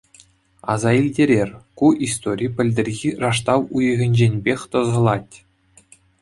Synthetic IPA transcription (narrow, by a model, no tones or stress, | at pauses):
ɑ̰zɑilʲdʲeɾʲerʲkuʔist̪oɾʲijpʲɘ̆lʲdʲɘ̆rʲɣʲirɑʂt̪ɑwujɤ̆ɣʲɘ̆nʲd͡ʑenʲbʲexʲt̪ɤ̆zɤ̆lˠɑtʲ